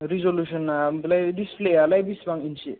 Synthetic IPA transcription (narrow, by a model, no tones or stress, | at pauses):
ɾizoljusɔnamlajdispʰlealajbisbaŋinsʰḭ